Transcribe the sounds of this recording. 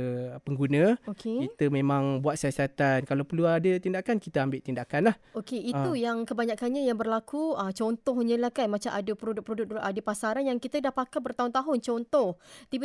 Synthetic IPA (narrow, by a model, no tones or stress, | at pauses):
pəŋɡunə̃okʰekit̪əmẽmãŋbuat̪̚siasat̪ankalawpəluadət̪indakankit̪əambɪʔt̪indakanlahokeit̪ujaŋkəbaɲãkanɲãjaŋbərlakuət͡ʃɔnt̪ɔhɲə̃lahkanmãt͡ʃamʔa̰dəpəɾodʊk̚pɾodʊk̚lʔadəpasaɾanjaŋkit̪ədahpakabərt̪aɦʊnt̪aɦʊnt͡ʃɔnt̪ɔht̪ib